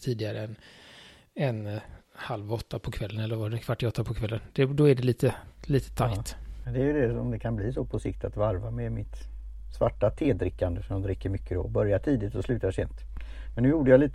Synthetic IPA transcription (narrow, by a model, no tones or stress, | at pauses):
t̪ʰiːd̪ɪɡaɾəɛn | ɛnhalvɔt̪ːapʰɔkʰvɛlːənɛlːəɾvaɖɛnkʰvaʈːɪɔt̪ːapʰɔkʰvɛlːənd̪̥ɛd̪ɔæɖɛliːt̪əliːt̪ə̥t̪ʰajt̪mɛnd̪ɛæɾjɵd̪ɛɔmd̪ɛkʰanbliːsɔpʰɔsɪkt̪at̪vaɾvamɛmɪt̪ | svaʈːat̪ʰeːd̪ɾɪkːand̪əsɔmd̪ɾɪkːəɾmʏkːəd̪ɔ̰bœɾjaʈʰiːd̪ɪt̪sɔslʉ̟ːt̪aʂɛ̰mt̪mɛnːʉ̟ːjuːɖəjaliːt̪ə